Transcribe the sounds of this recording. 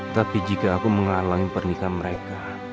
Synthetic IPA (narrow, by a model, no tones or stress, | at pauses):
t̪apid͡ʒikaːkuməŋalaŋipərnikaməɾeka